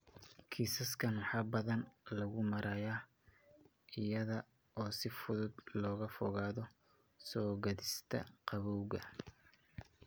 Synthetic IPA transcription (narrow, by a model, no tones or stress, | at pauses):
kʰiːsɐskʰɐnwɑħɑːbɐðɐnlɐɣʊmɐɾʔɐjaː | ɪjɐðɐ | ʔɔːsɪfʊðʊd̪lɔːɣɐfɔɣaːðɔ | sɔːɡɐðɪst̪ʰɐ̰qɑβɔwɣɐ